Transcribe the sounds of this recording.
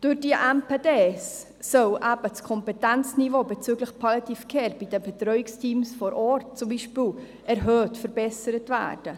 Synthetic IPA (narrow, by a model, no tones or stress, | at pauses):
d̥ʊɾd̥iəʔɛmpeːdeːsː | œlʔæb̥ət͡skʰɔmpɛtɛnt͡snivoːbɛt͡syɡləxpʰɑlitifkʰeːɾb̥id̥əbɛtɾœʏɪkstʰiːmsfɔɾʔɔːɾt̚t͡sumbiːʃpiːl | ʔɛɾɦøːtfəɾbɛsəɾətvæ̰ːd̥ə